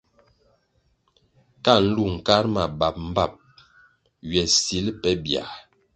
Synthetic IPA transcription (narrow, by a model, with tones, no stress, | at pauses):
ka˦˨n̩˦lu˦˨ŋ̩˨ka˦ɾma˨ba˨p̚m̩˦ba˦˨p̚ | ɥɛ˨si˨˦lpɛ˦bja̰˨